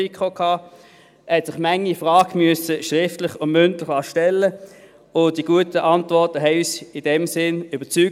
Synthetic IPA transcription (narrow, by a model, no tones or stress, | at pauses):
ikχokʰɑː | hɛtsɪχmɛŋːifʁɑːɡmyəsəʃʁɪftlɪχʊnmʏntlɪχɑːʃtɛlːə | ʊn̚d̥iɡ̥uətəʔɑntvɔɐtəɦɛɪyːsɪd̥ɛmsɪnyb̥ət͡syː